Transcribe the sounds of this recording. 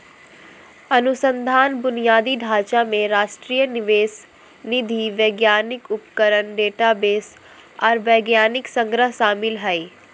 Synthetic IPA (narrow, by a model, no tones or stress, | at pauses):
ɐnʊsə̃nd̪ʱaːnbʊnijaːd̪iɖʱaːt͡ʃamẽɾaːʃʈɾiːjənɪʋeːs | nɪd̪ʱiʋeːɡjaːnɪkʊpkəɾənɖeːʈabeːs | ɔːɾʋɛːɡjaːnɪksə̃ŋɡɾəɦʃaːmɪlɦɛi